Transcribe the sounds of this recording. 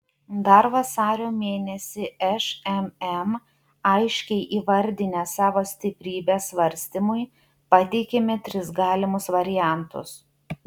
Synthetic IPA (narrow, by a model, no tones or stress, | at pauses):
d̪ɐɾʋɐsɑːɾʲoːmʲeːnʲɛsʲɪɛʃɛmɛm | ɐɪʃʲkʲɛɪʔiːʋɐɾʲd̪ʲɪnʲɛsɑːʋoːsʲt̪ʲɪpʲɾʲiːbʲeːsʋɐɾʲsʲt̪ʲɪmʊɪ | pɑt̪ʲeːkʲemʲɪt̪ʲɾʲɪsɡɑːlʲɪmʊsʋɐɾʲɪjæˑnt̪ʊ̰s